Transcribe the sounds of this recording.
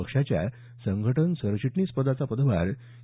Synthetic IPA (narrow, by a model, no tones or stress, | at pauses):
əkʂat͡ɕja̰ | səŋɡʱəʈənsəɾɕiʈɳiːspəd̪at͡sapəd̪ʋa̰ɾ